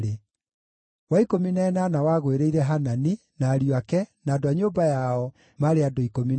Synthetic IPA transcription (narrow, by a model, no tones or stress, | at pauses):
e | waikominɛːnanawaɣweɾeiɾɛɦanani | naːɾjwakɛnaːdoaɲoːbajaɔ | maɾeadoikomi